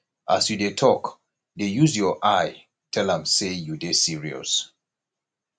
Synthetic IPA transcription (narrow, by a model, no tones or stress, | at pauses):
ʔasjudetʰɔk | dejuzjɔʔaɪ | tʰɛlãmsejudesiɹiɔ̰s